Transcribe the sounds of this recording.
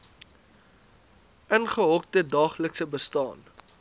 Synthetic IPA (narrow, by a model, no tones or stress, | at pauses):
ʔənχəɦɔk̚tədɑːχləksəbəstɑ̰ːn